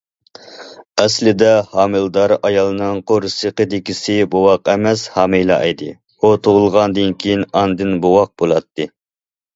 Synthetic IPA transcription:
ɛslɪd̪ɛhɑːmɨlˠd̪ɑɾɑjɑlˠɨnɨŋqʰoɾsəqəd̪ɪkʲisɪbowɑqɛmɛshɑːmejlˠɑ̰ʔɑ̰jd̪ɨ | ut̪ʰoʁʊlˠʁɑnd̪ɨnkʲʰijinɑnd̪ɨnbowɑq̚b̥olˠɑt̪ːɨ

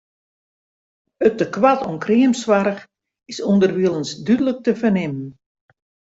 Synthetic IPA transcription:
ətəkwatʰonkriəmswaɾəx | ɪsundərʋiəlˠənsdydələk̚təfənɪmən

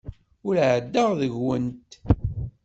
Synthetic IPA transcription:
ʊɾʕəd̪ːəʁðəʝwənt̪

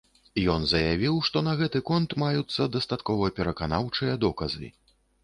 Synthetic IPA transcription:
jɔnzɐjavʲiwʂt̪ɔnɐɣɛt̪ɨkɔnt̪majut̪sːɐd̪ɐst̪at̪kɔvɐpʲɛɾɐkanawt͡ʂɨjɐd̪ɔkɐzɨ̰

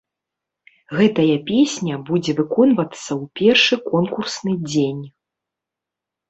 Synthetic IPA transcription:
ɣɛt̪ɐjɐpʲesʲnʲɐbud͡zʲɛvɨkɔnvɐt̪sːɐwpʲɛrʂɨkɔnkursnɨd͡zʲenʲ

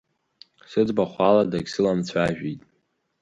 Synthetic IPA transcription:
sɨd͡zbaχʷaladaɡʲsɨlamt͡sʷʰaʒᶣitʼ

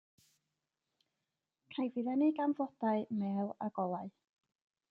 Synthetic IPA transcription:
kʰajvɨðɛniɡamvɔd̥aɨmɛːlˠa̰ɡɔlˠaɨ

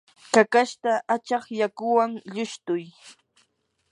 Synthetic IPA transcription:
kakaʃt̪aʔat͡ʃɑχjakʊwaŋʎʊʃt̪ʊj

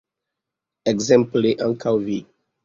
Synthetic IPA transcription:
ɛɡzɛ̃mpliʔãnkʰawvi

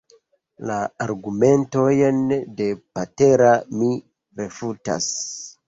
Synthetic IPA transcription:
laːɾɡume̞nto̞jnde̞pate̞ɾami | ɾe̞futa̰s

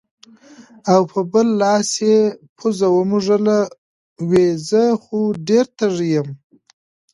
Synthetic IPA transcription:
awpʰəbəlːɑsjepʰuzawəmuʐala | wezəxuɖeɾt̪ʰaʐijəm

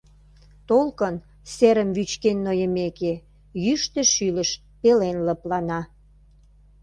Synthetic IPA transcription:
t̪olkən | seɾəmβyt͡ɕkenːojəmeke | jyʃt̪eʃylə̆ʃ | pelenlə̆plɑnɑ

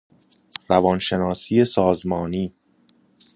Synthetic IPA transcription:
ɾævɒːnʃe̞nɒːsiːe̞sɒːzmɒːniː

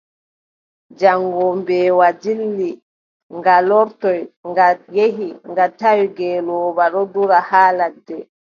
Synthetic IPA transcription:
d͡ʒaŋɡɔmbɛwad͡ʒilːi | ŋɡalɔɾtɔjŋɡajeɦiŋɡatawɡɛːlɔːbaɗɔduɾahaːladːɛ

